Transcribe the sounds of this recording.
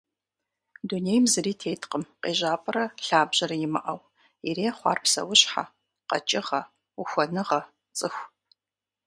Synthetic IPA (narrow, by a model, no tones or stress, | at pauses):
dunejmzɨriːtʰeːjtʰqəmqʼeːʑaːpʼɐɾɐɬaːbʑɐɾɐjɪmɨ̰ʔɐw | iɾeːχʷɑ̰ːrpsɐ̰wʊɕħa̰ | qɐ̰t͡ʃʼɪʁɐ | uxʷɐnɨʁɐ | t͡sʼɨxʷ